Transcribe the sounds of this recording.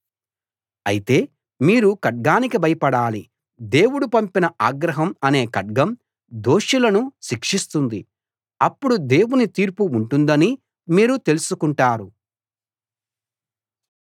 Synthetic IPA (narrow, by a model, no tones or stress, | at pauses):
ɐ̰jit̪e̞ː | miːɾukɐʈ̚ɡaːnikibɐjɐpɐɽaːli | d̪e̞ːwuɽupɐmpinɐʔaːɡɾɐɦɐmɐne̞ːkɐɖ̚ɡɐm | d̪o̞ːʂilɐnuʃikʂist̪und̪i | ɐpːuɽud̪e̞ːwunit̪iːɾpuːɳʈund̪ɐni | miːɾut̪e̞lusukuɳʈaːɾu